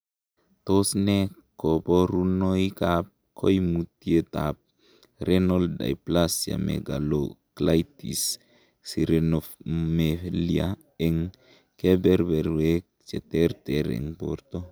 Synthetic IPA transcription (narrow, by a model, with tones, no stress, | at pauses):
to˦sne˦ | ko˨po˦ɾu˦no˦jkap̚ | kʰo˦jmu˨tie˦tap̚ | ɾeno˦lda̰˨jplasja̰˨mḛ˨ɡa˨loklajtḭsː | i˨ɾenofmelia | e˨ŋ | ke˦bɛɾbɛ˨ɾwe | t͡ʃɛ˨tɛɾtɛɾḛ˨ŋpo̰˨ɾto˦